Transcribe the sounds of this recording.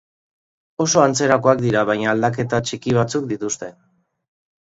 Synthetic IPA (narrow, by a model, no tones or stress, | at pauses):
o̞so̞ant͡se̞ɾako̞ak̚d̪iɾaβ̞ajɲaːld̪ak̬e̞t̪at͡ʃikiβ̞at͡suk̚d̪it̪ust̪e̞